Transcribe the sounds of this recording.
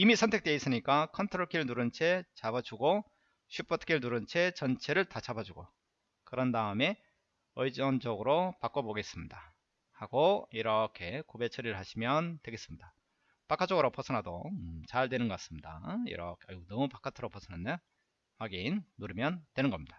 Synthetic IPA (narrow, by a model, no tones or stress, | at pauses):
imisʰʌntʰe̞k̚t͈eis͈ɯɲik͈akʰʌntʰɯɾoɭkʰiɯɭnuɾɯnt͡ɕʰe̞t͡ɕabad͡ʑuɡo | ɕʰip͈ʌtʰkʰiɭnuɾɯnt͡ɕʰe̞t͡ɕʌnt͡ɕʰe̞ɾɯɭtat͡ɕʰabad͡ʑuɡo | kɯɾʌndaɯme̞ | ɯid͡ʑʌnd͡ʑʌɡɯɾopak͈oboɡe̞s͈ɯmɲida | haɡoiɾʌkʰe̞kobe̞t͡ɕʰʌɾiɾɯɭɦaɕʰimjʌntwe̞ɡe̞s͈ɯmɲida | pakʰat͡ɕ͈ʌɡɯɾopʰʌsʰʌnɦadot͡ɕaɭdwe̞nɯnɡʌk͈as͈ɯmɲida̰ḭɾʌ̰kʰeanʌmupakʰatʰɯɾopʰʌsʰʌnɦande | waɡinːuɾimjʌntwe̞nɯnŋɡʌmɲid̥a